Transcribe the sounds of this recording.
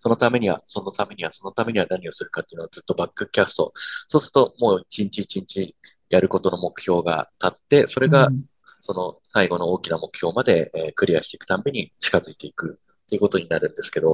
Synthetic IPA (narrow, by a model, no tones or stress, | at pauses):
so̞no̞t̪ame̞ɲ̟iβa̰so̞nːot̪ame̞ɲ̟iβaso̞no̞t̪ame̞ɲ̟iβanaɲ̟io̞sɨɾɯ̟kat̪ːe̞iɯ̟no̞ad͡zɨt̪ːo̞bakːɯ̟kʲasɨ̥t̪o̞̰so̞ːsɨɾɯ̟̥t̪o̞mo̞ːit͡ɕĩɲ̟t͡ɕiːt͡ɕĩɲ̟t͡ɕi | jaɾɯ̟ko̞t̪o̞no̞mo̞kɯ̟̥çʲo̞ːɡa̰t̪at̪ːe̞so̞ɾe̞ɡa | so̞no̞saiɡo̞no̞o̞ːkʲinamo̞kɯ̟̥çʲo̞ːmad̪e̞kɯ̟ɾʲiaɕi̥t̪e̞ikɯ̟̥ãmbeɲ̟it͡ɕi̥kazɨit̪e̞ikɯ̟ | t̪ːeiɯ̟ko̞t̪o̞ɲ̟inaɾɯ̟̃nd̪e̞sɨ̥ke̞d̪o̞